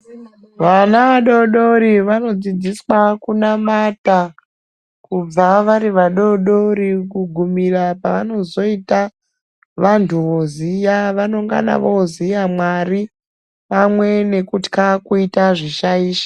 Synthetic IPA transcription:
ʋanaʋaɗo̞ɗoɾiʋano̞d͡zid͡ziswakunamata | kub͡vaʋaɾiʋaɗo̞ɗo̞rikuɡʱumirapaʋano̞zo̞ita | ʋantʰuʋozijaʋanoŋɡa̰na̰ʋozijamwari | pamwe̞ne̞kuti̥kakuitaʐiʃaiːʃḁ

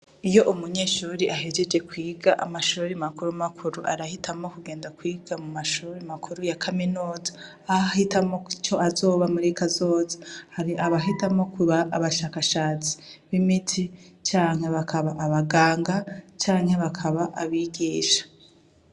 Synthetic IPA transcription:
ijo̞ʔumuɲeːʃuɾiʔaɦed͡ʒe̞d͡ʒe̞kwiːɡaʔamaʃuːɾimakuɾumakʰuɾuʔa̰ɾahitʰamo̞kuɡe̞ːndakwiːɡ̥amumaʃuɾimakʰuɾujakʰaminuːzḁː | ahitʰamo̞t͡ʃo̞azo̞ːβamuɾikʰazo̞ːzḁhaɾiʔaβaɦitamo̞kuβaːβaʃaːkaʃaːt͡si̥βimitʰit͡ʃaːŋhe̞βakʰaβaʔaβaɡaːŋɡat͡ʃaːŋ̥he̞βakʰaβaʔaβiːɡiːʃḁ

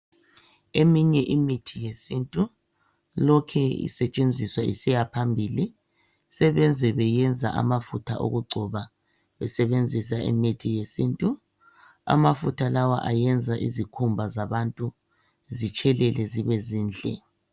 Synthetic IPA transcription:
emiɲɛʔimitʰijesintʼu | lɔkʰɛḭsɛt͡ʃʼend͡zʱiswaʔḭsijapʰambʱili | sɛβɛnd͡zʱɛβɛjɛnd͡zʱa̰ʔa̰mafutʰaʔo̰ɣuɡ͡ǀʱɔβa | βɛsɛβend͡zʱis̬aʔḭmitʰijesintʼu | a̰mafutʰalawa̰ʔajɛnd͡zʱaʔizikʰumbʱazaβantʼu | zit͡ʃʰʼɛlɛlɛziβɛziːnd͡ɮʱɛ̰

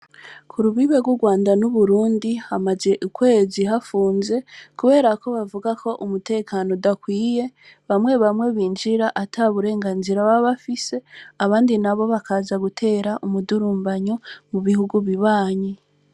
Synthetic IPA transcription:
kʰuɾuβiβeɡwuɡwaːndanuβuɾuːndihamaze̞ʔukwe̞ːziɦafuːnze̞kuβe̞ːɾako̞βavuɡako̞ʔumute̞ːkʰanodakwiːje̞ | βamwe̞βamwe̞βiːnd͡ʒiɾaʔatʰaβuɾe̞ːŋɡaːnziɾaβaβafise̞aβaːndinaβo̞βakʰaːzaɡutʰe̞ːɾaʔumuduɾuːmbaɲomuβihuɡuβiβaːɲi

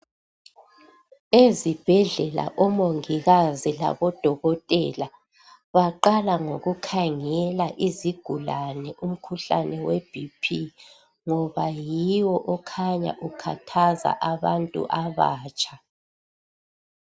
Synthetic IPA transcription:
ezib̥ʱɛɮɛla̰ʔɔmoŋiɣazila̰βɔd̥ʱɔɣɔtʼɛla | βaǃalaŋoɣukʰaŋɛlaʔiziɡ̥ʱulanɛʔum̩kʰuɬa̰nɛwɛb̥ʱipʰi | ŋɔβajiwɔʔɔkʰaɲa̰ʔukʰa̰tʰaza̰ʔaβantʼṵʔaβa̰ːt͡ʃʼḁ

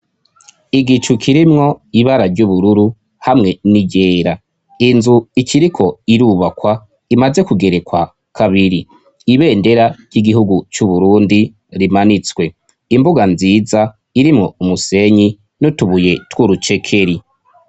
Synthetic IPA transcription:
iɡit͡ʃukʰiɾimŋo̞iβaɾaɾɟuβuɾuɾu | hamŋe̞niɟe̞ːɾa | inzuikʰiɾikʰo̞iɾuːβakwa | imaze̞kuɡe̞ɾe̞kwa | kʰaβiɾi | iβe̞ːnde̞ɾaɾɟiɡiɦuɡut͡ʃuβuɾuːndi | ɾimanit͡swe̞ | imbuɡanziːza | iɾimŋo̞umuse̞ɲi | nutuβuje̞twuɾut͡ʃe̞kʰe̞ɾi

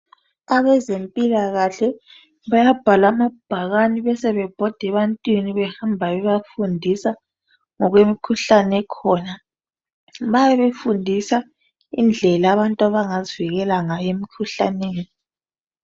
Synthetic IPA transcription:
aβɛzempʼilaɣaɬɛ | βajab̥ʱalamab̥ʱaɣaniβɛsɛβɛb̥ʱɔd̥ʱɛβantʼwiniβɛhambʱaβɛβafundʱisa | ŋɔɣwemikʰuɬanɛkʰɔːna | βajɛβefundʱisa | ind͡ɮʱɛlaaːβantʼwaβaŋaziviɣɛlaŋajemikʰuɬa̰neːni

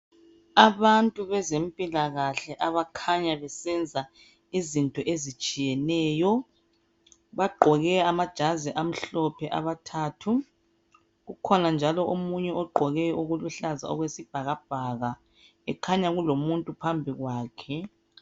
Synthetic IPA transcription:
aβantʼuβɛzempʼilaɣaɬɛʔaβakʰaɲaβɛsɛnd͡zʱa | izintʼɔʔezit͡ʃʼijɛnɛːjɔ | βaɡ͡ǃʱɔɣɛamad̥ʒ̥ʱaziʔam̩ɬɔpʰɛʔaβatʰaːtʰu | ɣukʰɔnand͡ʒʱalɔʔomuɲɛɔɡ͡ǃʱɔɣɛuɣuluɬaza̰ɔ̰ɣwesib̥ʱaɣab̥ʱaɣa | ɛkʰaɲaɣulomuntʼupʰambʱiɣwaːkʰɛ

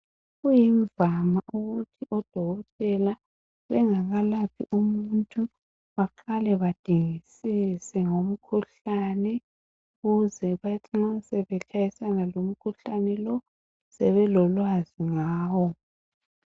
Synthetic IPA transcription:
ɣujiɱvamaʔuɣutʰiʔɔd̥ʱɔɣɔtʼɛla | βɛŋaɣalapʰḭʔumuntʼu | βaǃalɛβad̥ʱiŋisisɛŋom̩kʰuɬanɛ | uɣuzɛβatʰiŋ͡ǁasɛβɛkʰajisanalom̩kʰuɬanɛlɔ | sɛβɛlɔlwaziŋaːwɔ

